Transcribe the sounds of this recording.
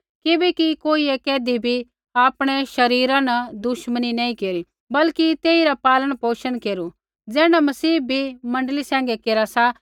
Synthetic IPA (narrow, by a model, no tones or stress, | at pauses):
kɪbɛkikoːiɛkɛːd̪ibʱi | aːpɽ̃ɛʃɐɾiːɾãnɐd̪ʊʃməninɐːĩkeːɾi | bɐlkit̪eːiɾapaːləɽ̃poːʃənkeːɾu | d͡zɛːɽ̃amɐsiːbʱimɐ̃ɳɖlisɛ̃ːŋ̆ɡɛkeːɾasa